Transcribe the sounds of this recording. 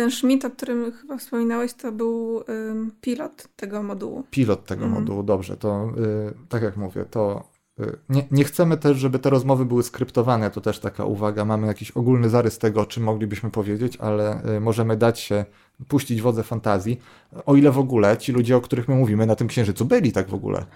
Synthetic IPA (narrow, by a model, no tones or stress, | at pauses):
t̪ɛnʂmʲit̪ɔk̚t̪uɾɘmxɘbafspɔmʲinawɛɕt̪ɔbɘw | pʲilɔt̪ːɛɡɔmɔd̪ṵwṵpʲilɔt̪ːɛɡɔ̰mɔ̰d̪uwud̪ɔbʐɛ̰t̪ɔ | t̪akʲjakmuvʲjɛ̰t̪ɔ | ɲɛɲɛxt̪sɛmɘt̪ɛʂʐɛbɘt̪ɛɾɔzmɔvɘbɘwɘskɾɘpt̪ɔvanɛt̪ɔt̪ɛʂt̪aka̰ʔṵvaɡamamɘjakʲiɕɔɡulnɘzaɾɘst̪ɛɡɔɔt͡ʂɘmːɔɡlʲibɘɕmɘpɔvʲjed͡ʑet͡ɕa̰lɛmɔʐɛmɘd̪at͡ɕɕɛ | puɕt͡ɕid͡ʑvɔd̪zɛfant̪azʲji | ɔilɛvɔɡulɛt͡ɕilud͡ʑɛɔkt̪uɾɘxmɘmuvʲimɘnat̪ɘmkɕɛ̃ʐɘt̪subɘlʲit̪aɡvɔ̰ɡṵlɛ̰